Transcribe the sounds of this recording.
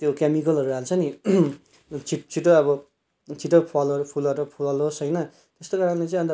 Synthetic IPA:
t̪jokamikʌlʌɾuaalt͡sʰʌni | t͡sʰiʈt͡sʰiʈoʌbʌ | t͡sʰiʈʌpʰʌlʌɾpʰulbaʈʌpʰuʌlɦosʌjnʌ | t̪est̪okaɾʌnlet͡sãʌnd̪

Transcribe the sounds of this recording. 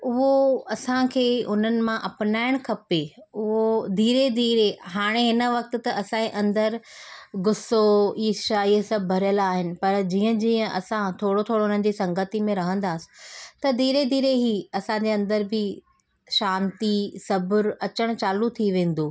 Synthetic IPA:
ʊɦoɐsãkʰeːʊn̤ənɪ̆mãʔɐpnaːɪɽ̃kʰɐpeʊɦod̪ʱiːɾed̪ʱiːɾeɦaːɽ̃eɦɪnəʋɐk̚t̪ʊ̆t̪ɐʔɐsãeʔɐ̃nd̪əɾɡʊsoiːʃaiːsɐbbʱɐɾjəlaːɦɪnɪ̆pɐɾd͡ʑiːə̃d͡ʑĩːə̃ʔɐsãt̪ʰoːɽot̪ʰoːɽoɦʊn̤ənɪ̆d͡ʑiːsɐ̃ŋɡət̪imẽɾɐɦə̃nd̪aːsɪ̥̆t̪ɐd̪ʱiːɾed̪ʱiːɾeɦiːɐsãɲd͡ʑeɐ̃nd̪əɾbɪ | ʃaːnt̪isɐbʱʊɾɐt͡ɕəɽ̃t͡ɕaːlut̪ʰiʋẽːn̆d̪oː

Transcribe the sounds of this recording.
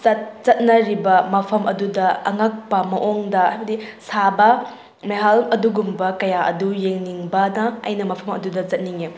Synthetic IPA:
zɐt̚zɐt̚nɐɾibɐmɐpʰɐmʔɐdudɐɐŋak̚pɐmɐʔoŋdɐajbɐdisabɐ | meɦalɐduɡumbɐkɐjaʔɐ̰dujeŋniŋbɐnɐɐ̰jnɐmɐpʰɐmɐ̰dudɐzɐt̚niŋe

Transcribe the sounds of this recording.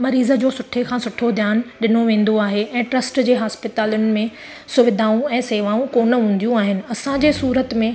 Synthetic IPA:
mɐɾiːzə̆d͡ʑoːsʊʈʰekʰãːsʊʈʰod̪ʱjaːnɗɪnoʋẽːn̆d̪oaːɦeʔɛ̃ːʈɾɐsʈd͡ʑeːɦaːspɪt̪aːlʊnɪ̆mẽ | sʊʋɪd̪ʱaːũɛ̃ːseːʋaːũkoːnə̆ɦũːn̆d̪ijũaːɦɪnɪ̆ɐsãd͡ʑeːsuːɾət̪mẽ

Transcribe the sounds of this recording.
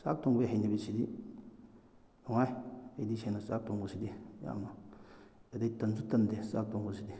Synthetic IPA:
sa̰k̚toŋɡbeɦanibisidi | loŋajadisenasak̚toŋɡusidija̰ma | edjtɐnsutɐndesak̚toŋɡusidi

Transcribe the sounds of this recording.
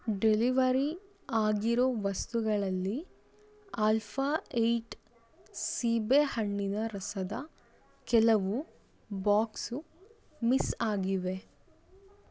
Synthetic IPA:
ɖeliʋɐɾi | aːɡiɾoːʋɐst̪uɡɐɭɐlːi | aːlpʰaːejʈ | siːbehɐɳːinɐɾɐsɐd̪ɐ̰ | kɛlɐʋu | baːksu | misaːɡiʋe̞

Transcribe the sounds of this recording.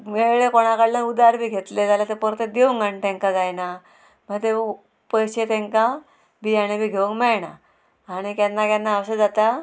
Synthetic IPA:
meɭekoɽ̃akaɽlanud̪aɾbʱiːɡʱet̪led͡zalat̪epɔɾt̪ed̪eʋuŋɡaɳt̪ẽŋkad͡zajna | m̤ət̪e | pəjɕet̪ẽŋka | bʱiaɽ̃ibʱiːɡʱeʋuŋɡmɛɭña | aɽ̃ikanːakanːaəsəd͡zat̪a

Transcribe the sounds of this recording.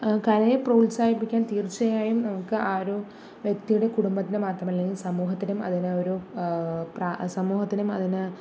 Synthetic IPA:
kɐɾɐjeproːlsaːhipːikʲːaːnt̪iːrt͡ɕːɐjaːjumnɐmukːɨʔaːɾoː | ʋjek̚t̪ijuɽe̞kuɽumbɐt̪ːinɨmaːt̪rɐmɐlːeŋɡilsɐmuːɦɐt̪ːinumɐ̰ðinɨo̞ɾu | prasɐmuːhɐt̪ːinumɐ̰ðinɨ

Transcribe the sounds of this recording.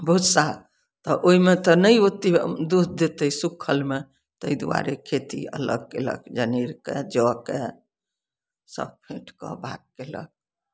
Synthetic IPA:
bəɦut̪saɦ | t̪ɔʔoɦimet̪ɔnəiot̪id̪ud̪̚ʱd̪et̪əisukʰːəlme | t̪əid̪uwa̰ɾekʰet̪ḭə̰lə̰ɡ̚kelə̰kd͡ʒəniɾkḛd͡ʒɔke | sə̰b̚pʰẽʈkə̰bʱaɡ̚kelə̰k̚

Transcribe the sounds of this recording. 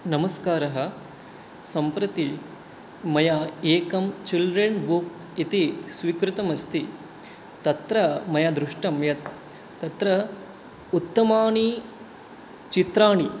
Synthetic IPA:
nɐmɐskaːɾɐɦɐ̆ | sɐmpɾɐt̪i | mɐjaeːkɐmt͡ʃilɖɾeɳbuk | it̪isʋikɾɪt̪ɐmɐst̪i | t̪ːɐt̪ɾɐmɐjad̪ɾuʂʈɐmjɐt̪ː | ɐt̪ɾɐ | ut̪ːɐmaːɳi | t͡ʃit̪ɾaːɳi

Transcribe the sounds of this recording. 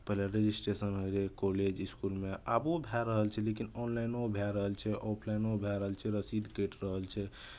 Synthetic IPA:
pəɦileɾed͡ʒisʈɾesənɦoɾekoled͡ʒiskulmeʔabobʱaɾəɦəlt͡ʃʰɛlekinɔnlajnobʱaɾəɦəlt͡ʃʰɛʔopʰlajnobʱɛɾəɦəlt͡ʃʰɛɾəsid̪ʱkəʈɾəɦəlt͡ʃʰɛ

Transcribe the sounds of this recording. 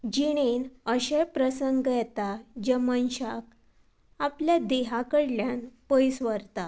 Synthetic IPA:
d͡ʑiɽ̃enəɕepɾəsəŋɡjɛt̪ad͡ʑɛmənɕak | apljad̪eɦakəɽljanpəjsʋəɾt̪a

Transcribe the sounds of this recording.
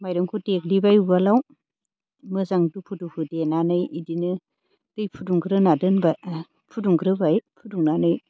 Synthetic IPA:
majɾɯŋkʰuteklibajubalaw | mɯzaŋdupʰudukʰɯdenanɯjidinɯ | d̥ɯjpʰuduŋɡɯɾɯnadɯnba | pʰuduŋɡɾɯbajpʰuduŋnanɯj

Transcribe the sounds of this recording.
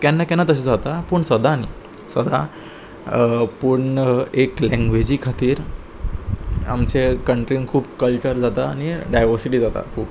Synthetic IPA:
kanːakɛnat̪əɕ̬ed͡zat̪apəɳsəd̪ʱaːnḭ | səd̪ʱa | pəɳeklɛ̃ŋɡʋed͡ʑiːkʰat̪iːɾ | a̰mt͡ɕekəɳʈɾinkʰuːpkəlt͡ɕəɾd͡zat̪aniɖajʋəɾsiʈiːd͡zat̪a̰kʰuːp

